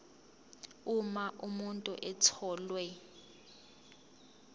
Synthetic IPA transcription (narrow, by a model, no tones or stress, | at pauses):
umaʔumuntʼuʔɛt͡sʰɔːlwɛ